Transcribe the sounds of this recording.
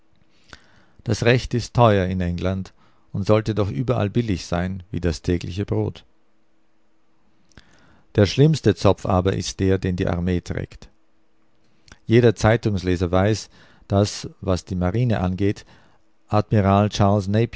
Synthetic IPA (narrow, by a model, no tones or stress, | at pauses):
d̥asʁɛçtɪstʰːɔʏɐɪnɛŋlant | ʊntz̥ɔltədɔχʔyːbɐʔa̰lbɪlɪçz̥aɪnvḭːdastʰɛːɡlɪçəbʁo̰ːt | d̥eːɐʃlɪmstət͡sɔfʔa̰ːbɐʔɪ̰st̚d̥eːɐdeːndḭːʔa̰ɐmeːtʁ̥ɛ̰ːkt | jeːɾɐt͡saɪtʊŋsleːzɐvaɪs | d̥asvasd̥iːmaʁiːnəʔanɡeːt | ʔadmiʁaːlt͡ʃaɐlsneɪp